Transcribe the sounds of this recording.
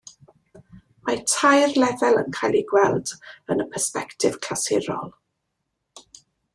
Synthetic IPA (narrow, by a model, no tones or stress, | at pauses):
matʰajrlɛðɛlˠə̰nkʰajlˠiɡwɛlˠd̥ənəpʰɛrspɛktʰɪv̥kʰl̥asɪɾɔ̰lˠ